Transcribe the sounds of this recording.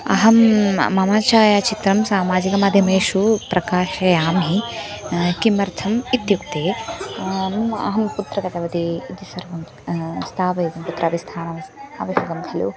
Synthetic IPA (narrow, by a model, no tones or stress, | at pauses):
ɐ̰ɦɐmːɐmaːt͡ʃaːjat͡ʃit̪ɾɐmsaːmaːd͡ʒikɐmaːd̪ʱjɐmɐːʃupɾɐkaːʃɐjaːmɦi | kimɐɾt̪ʰɐmit̪jukt̪eː | mɐ̰ɦɐmput̪ɾɐkɐt̪ɐʋɐt̪iːt̪isɐɾʋɐm | st̪ʰaːʋɐjuɡ̪ɐmput̪ɾʔɐːʋist̪ʰaːnɐʋɐɐʋɐʃɐɡɐmkʰɐlṵ